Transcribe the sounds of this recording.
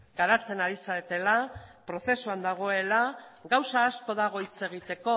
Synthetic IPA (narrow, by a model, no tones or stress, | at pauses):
ɡaɾat͡se̞naɾisaet̪e̞lapɾo̞θe̞suand̪aɣ̞o̞e̞laɣawsaːsko̞ð̞aɣ̞o̞it͡se̞ɣ̞it̪e̞ko̞